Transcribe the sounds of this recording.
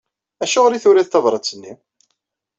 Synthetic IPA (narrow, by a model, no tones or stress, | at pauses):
æʃʊʁliθʊɾiðθɑvɾˤɑt͡sːənːi